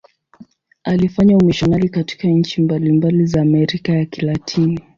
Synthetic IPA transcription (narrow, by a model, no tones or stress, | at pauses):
alifaɲaumiʃanalikati̥kaɲ̩t͡ʃimbalimbalizaːmɛɾikajakilatʰini